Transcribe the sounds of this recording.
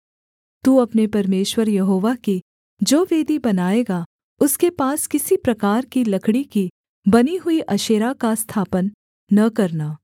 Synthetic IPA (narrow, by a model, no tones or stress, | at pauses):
t̪uɐpnepɐɾmeːʃwəɾjɐɦoːʋaki | d͡ʒoːʋeːd̪ibɐnaːeːɡa | ʊskepaːskɪsipɾɐkaːɾkilɐkʰɽiki | bɐniɦʊiʔɐʃeːɾakast̪ʰaːpənː | ɐkɐɾnaː